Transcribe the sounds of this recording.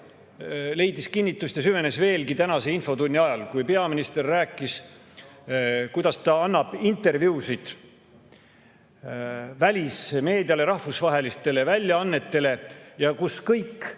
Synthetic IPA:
le̞jd̪iskinʲːit̪ːˑusʲt̪jɑs̬yve̞ne̞sve̞ːlkit̪ænɑse̞info̞t̪unʲːiɑjɑlkujpe̞ɑminist̪e̞rːæːkˑːis | kujd̪̥ɑst̪ɑɑnːɑb̥int̪ːˑe̞rvjuːsid̪̥ | vælʲisme̞ːd̪iɑle̞ɾɑhvusvɑɦe̞list̪e̞le̞vælʲjɑɑnːe̞t̪ːe̞le̞jɑkuskɤjkː

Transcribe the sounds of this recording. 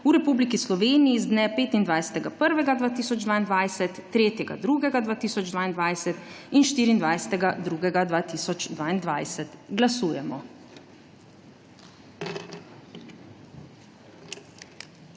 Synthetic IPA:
uɾɛpuːblikislɔʋeːnijizd̪nɛpeːt̪ind̪ʋajsɛ̥t̪ɛɡapəɾʋɛɡad̪ʋaːt̪iːsɔd͡ʒd̪ʋaːind̪ʋaːjsɛt̪ːɾeːt̪jɛɡa̰d̪ɾuɡɛɡad̪ʋaːt̪iːsɔd͡ʒd̪ʋaːind̪ʋajsɛt̪inʃt̪iːɾind̪ʋajsɛ̥t̪ɛɡad̪ɾuɡɛɡad̪ʋaːt̪isɔt͡ʃd̪ʋaːind̪ʋajsɛt̪ɡlasuːjɛmɔ

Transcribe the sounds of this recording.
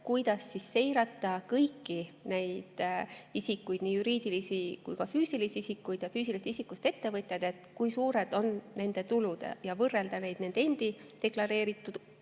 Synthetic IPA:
kujd̪̥ɑsːisːe̞jɾɑt̪ːˑɑkɤjkːine̞jd̪̥isikːujd̪̥niːjuɾiːd̪̥ilisikujkɑfyːsilisisikːˑujd̪̥jɑfyːsiliset̪isikːˑust̪e̞t̪ːe̞vɤt̪ʲːˑed̪̥e̞t̪ˑkujsuːɾe̞d̪̥o̞nne̞nd̪̥e̞t̪ulud̪̥ḛjɑvɤrːe̞ld̪̥ɑne̞jd̪̥ne̞nd̪e̞nd̪̥id̪e̞klɑɾe̞ːɾit̪ːˑud̪

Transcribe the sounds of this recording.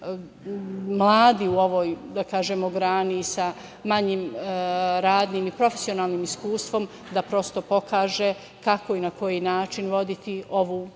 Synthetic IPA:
mlˠaːd̪iuo̞ʋo̞ːjd̪akaːʒemoɡɾaːnisa | maɲim | ɾaːd̪nimipɾo̞fe̥sio̞naːlˠnimiskuːst̪ʋo̞m | d̪apɾo̞st̪o̞po̞kaːʒe | kako̞inako̞jinaːt͡ʃinʋo̞d̪it̪io̞ʋu

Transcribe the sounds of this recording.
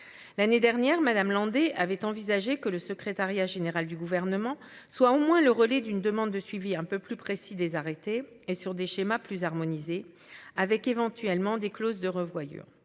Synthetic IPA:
laned̪ɛʁnjɛʁmad̪amlɑ̃d̪eʔavɛt̪ɑ̃vizaʒekələsəkχet̪aʁjaʒeneʁald̪yɡuvɛʁnəmɑ̃ | swaomwɛ̃ləʁəlɛd̪ynd̪əmɑ̃d̪ːəsɥiviɛ̃pøplypχesid̪ezaʁet̪eː | syʁd̪eʃemaplyzaʁmɔnize | avɛkevɑ̃t̪ɥɛlmɑ̃d̪eklozd̪əʁəvwajy̰ːʁ

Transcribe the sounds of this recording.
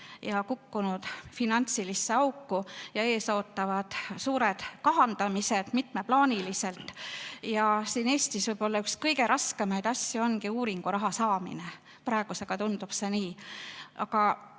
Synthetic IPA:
jɑkukːunud̪̥finɑnt̪silisːe̞ɑukːujɑe̞ːso̞ːt̪ˑːɑvɑd̪̥suːɾed̪̥kɑɦɑnd̪̥ɑmise̞d̪̥mit̪meplɑːnʲilise̞lt̪ˑjɑsiːne̞ːst̪isvɤjb̥o̞lːɑykskɤjɡe̞ɾʔɑske̞mɑjd̪ɑsʲjuo̞nkiuːɾiŋɡ̥uɾɑɦɑsɑːmḭne | pɾɑˑeɡ̥use̞ɡ̥ɑt̪und̪upse̞niːʔɑ̰kɑ

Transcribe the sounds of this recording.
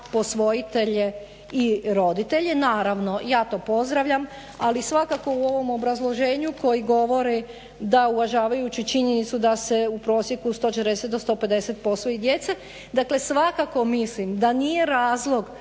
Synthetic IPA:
po̞sʋo̞jit̪eʎe̞ | iɾo̞d̪it̪e̞ʎe̞naːɾaʋno̞jaːt̪o̞ːpo̞zd̪ɾaʋʎam | alisʋakako̞uo̞ʋo̞mo̞bɾazlˠo̞ʒe̞ːɲuko̞jiɡo̞ʋo̞ɾi | d̪auʋaʒaːʋajut͡ʃit͡ʃiɲenit̪sud̪ase̞upɾo̞ːsje̞kust̪ot͡ʃet̪eɾd̪eset̪̚d̪o̞st̪o̞ped̪e̞set̪̚po̞sʋo̞jid̪je̞t̪se | d̪akle̞sʋakako̞mislimd̪anije̞ɾaːzlˠo̞ɡ

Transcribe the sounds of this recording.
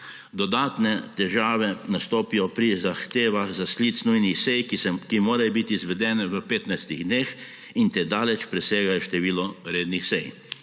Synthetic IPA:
d̪ɔd̪aːt̪nɛt̪ɛʒaːʋɛnast̪oːpijɔpɾizaxt̪eːʋaɣzaslit̪snujnixsɛjkkimoːɾajɔbit̪iːzʋɛd̪ɛːnɛʋəpeːt̪najst̪iɣd̪nex | int̪ed̪aːlɛt͡ʃpɾɛseːɡajɔʃt̪ɛʋiːlɔɾeːd̪nixsɛj

